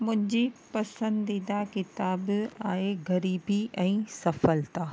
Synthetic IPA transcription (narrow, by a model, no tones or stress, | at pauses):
mʊ̃ɦɪ̃ɲd͡ʑiːpɐsə̃nd̪iːd̪akɪt̪aːbaːɦeɣɐɾiːbiɛ̃ːsɐfəlt̪aː